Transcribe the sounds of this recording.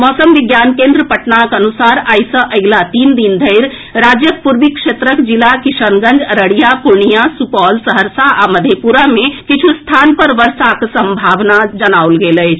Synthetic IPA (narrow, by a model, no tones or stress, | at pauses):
mɔsəmʋiɡjankẽnd̪ɾəpəʈnakənusaɾajsə̃ʔəɡlat̪ind̪ind̪ʱəjɾ | ɾad͡ʒjəpuɾbikʃet̪ɾəkd͡ʒilakisənɡə̃nd͡ʒəɾəɽijapuɾɳijasupɔlsəɦəɾsaʔaməd̪ʱjepuɾamekit͡ʃʰust̪ʰanpəɾʋəɾsaksəmbʱaʋnad͡ʒənauwlɡeləjt͡ʃʰ